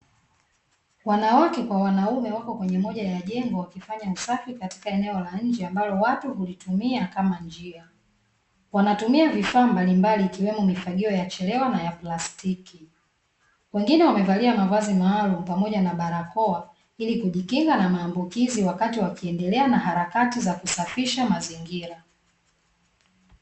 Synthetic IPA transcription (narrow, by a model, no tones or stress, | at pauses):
wanawakɛkwawanaumɛwakɔkwɛɲɛmɔʄajaʄɛŋɡɔwakifaɲausafikati̥kaɛnɛɔlaɲ̩d͡ʒɛambalɔwatuɦulitumiakamaɲd͡ʒia | wanatumiavifaːmbalimbaliːkiwɛmɔmifaɠiɔjat͡ʃɛlɛwanajaplastiki | wɛŋɡinɛwamɛvaliamavwazimaːlum̩pamɔʄanaɓaɾakɔa | ilikuʄikiŋɡanamaːmbukiziwakatiwakiɛndɛlɛanahaɾakatizakusafiʃamaziŋɡiɾa